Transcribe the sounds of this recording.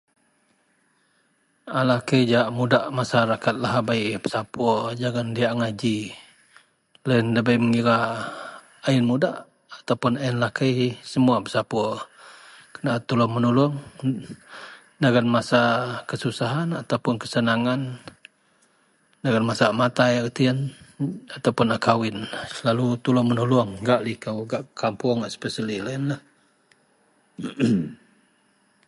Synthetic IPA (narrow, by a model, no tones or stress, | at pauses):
alahkəjd͡ʒaʔmudaʔmasaɾakat̪̚laɦabaiʔpə̥sapɔd͡ʒaɡandiaʔŋad͡ʒi | lanləbəjməŋiɾa | aɪnmudaʔ | at̪awpʊnaɪnlahkajsəmuapəsapɔ | kənaʔt̪ulɔŋmənulʊŋ | daɡanmasakəsusaɦanat̪awpʊnkə̥sənaŋan | daɡanmasamat̪ajt̪iən | at̪awpʊnakawɪnlalut̪ulɔmənulʊŋɡaʔlikəwɡaʔkampʊŋaʔspɛsəlilainlah